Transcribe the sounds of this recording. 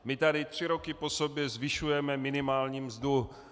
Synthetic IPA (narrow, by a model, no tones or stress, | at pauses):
mɪt̪adɪt̪r̝̥ɪɾo̞kɪpo̞sobjɛzvɪʃujɛmɛmɪnɪmaːlɲiːmzdu